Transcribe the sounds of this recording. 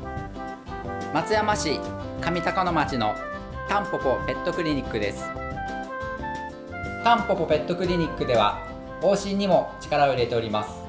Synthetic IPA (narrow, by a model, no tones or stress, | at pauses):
mat͡sɨjamaɕikamʲit̪akono̞mat͡ɕino̞ | t̪ãmpo̞po̞pe̞t̪ːo̞kɯ̟ɾʲiɲ̟ikːɯ̟d̪e̞sɨ̥ | t̪ãmpo̞po̞pe̞t̪ːo̞kɯ̟ɾʲiɲ̟ikːɯ̟d̪e̞β̞a̰ | oːɕĩɲ̟ːimo̞t͡ɕi̥kaɾao̞iɾe̞t̪e̞o̞ɾʲimasɨ̥